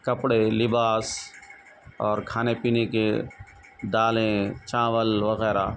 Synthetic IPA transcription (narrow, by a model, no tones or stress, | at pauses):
kɐpɽelɪbaːs | ɔːɾkʰaːnepiːneke | d̪aːlẽt͡ʃãːʋəlʋəɣɛːɾa̰